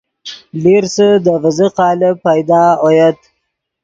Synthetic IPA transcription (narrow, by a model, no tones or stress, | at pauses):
liɾsəd̪əvɪzəqɑːləpajd̪ɑːojat̪